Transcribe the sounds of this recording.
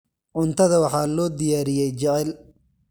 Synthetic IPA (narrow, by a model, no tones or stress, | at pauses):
ʕʊnt̪ʰɐðɐwɑħɑːlɔːd̪ɪjaːɾɪjɛjt͡ʃɐʕɛl